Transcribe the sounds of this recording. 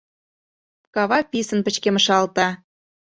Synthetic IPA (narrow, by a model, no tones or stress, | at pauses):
kɑβɑpʲisə̆npə̆t͡ɕkeməʃɑlt̪ɑ